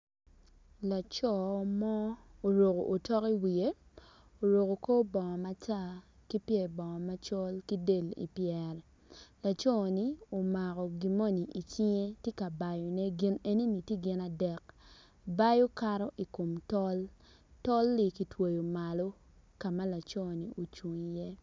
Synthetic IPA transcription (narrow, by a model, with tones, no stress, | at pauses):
la˨t͡ʃɔ˦˨mɔ˦o˨ɾo˨ko̰˨ʔo˨tɔ˦ki˦wi˨e˦ | o˨ɾo˨ko˨ko˦bɔ˨ŋɔ˨ma˦ta˦ | ki˦pjɛ˨bɔ˨ŋɔ˨ma˦t͡ʃɔ˦lki˦de˦˨lḭ˨pjɛ˨ɾ | la˨t͡ʃɔ˦˨ni˦o˨ma˨kɔ˨ɡi˨mo˦ni˨ʔi˨t͡ʃi˦ŋe˦tje˦ka˨ba˨jɔ˨ne˦ɡɪ˦ne˦ni˦ni˨tje˦ɡɪ˦na˨dɛ˨k | ba˦jo˦ka˦ɾɔ˦ʔi˨ko˨mtɔ˦l | tɔ˦lːi˦˨ki˨˦two˨jo˨ma˨lo˦ | ka˨ma˦la˨t͡ʃɔ˦˨ni˨ʔo˨t͡ʃwo˨ŋi˨jɛ˦